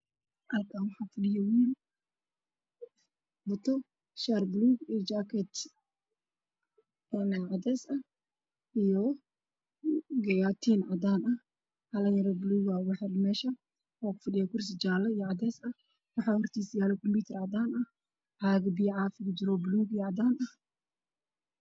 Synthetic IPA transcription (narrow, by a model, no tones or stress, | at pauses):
ʔɐlkʰaːnwɑħaːfɪɗɪjɔwiːn | bʊt̪ɔ | ʃaɾbluːɡijd͡ʒakɛt̪ | ɛnʕad̪ɛːsɐ | ʔijɔ | ɡɐjat̪ʰiːnʕad̪aːnɐ | hɐlɐjɐɾɐbluːɣawɑħɑlmɛːʃɐ | ɔːkʊ̥fɐɗɪjaːkʰʊrs̬ɪd͡ʒaːlɐijɔʕɑd̪ɛːsɐ | wɑħɑhɔrt̪ʰiːsjaːlɛkʰɔmpuːt̪ʰɛrʕɑd̪aːnɐ | ʕaːɡbijʕaːfɪkʊd͡ʒɪɾɔbluːɡijɔʕɑd̪aːnɐ